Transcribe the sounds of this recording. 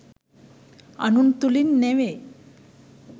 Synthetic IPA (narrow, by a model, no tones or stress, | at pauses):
a̰nunt̪ulinːeʋe